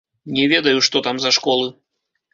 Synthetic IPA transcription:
nʲɛvʲɛd̪ɐjuʂt̪ɔt̪amzɐʂkɔlˠɨ

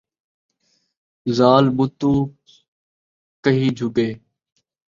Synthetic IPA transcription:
zaːlbʊt̪uː | kəɦiːd͡ʒʱʊɡeː

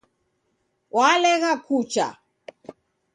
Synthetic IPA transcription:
walɛɣakut͡ʃa̰

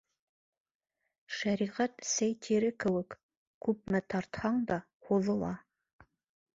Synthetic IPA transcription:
ʃæɾiʁæt̪sæjt̪ʰiɾɘkɘ̆wɘk | kʉp̚mæt̪ʰɑɾt̪hɑɴd̪ɑ | huðɤ̆lˠɑ

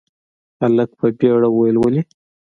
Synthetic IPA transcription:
alək̚pʰəbeɽawajlwəli

